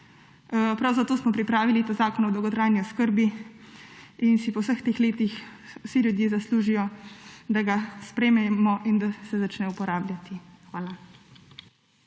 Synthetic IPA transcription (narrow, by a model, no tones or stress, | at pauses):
pɾawzat̪oːsmɔpɾipɾaːʋilit̪azaːkɔnɔd̪ɔwɡɔt̪ɾaːjniɔskəɾbi | insipɔwsəxt̪eːxleːt̪ixwsilʲjud̪jeːzasluːʒijɔd̪aɡaspɾeːmɛmɔʔind̪asɛzat͡ʃnɛupɔɾaːblʲjat̪ixʋaːla